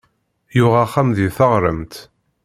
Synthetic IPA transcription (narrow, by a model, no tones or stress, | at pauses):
jʊʁaχːamðiθəʁɾəmt̪